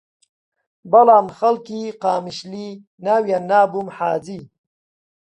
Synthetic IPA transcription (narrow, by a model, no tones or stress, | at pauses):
bɐlaːnxɐlkiqaːmiɕli | nawjanaːbumħaːzi